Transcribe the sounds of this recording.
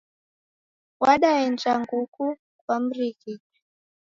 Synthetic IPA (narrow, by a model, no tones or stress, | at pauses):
waɗawɛnt͡ʃaŋɡuku | kwam̩ɾiki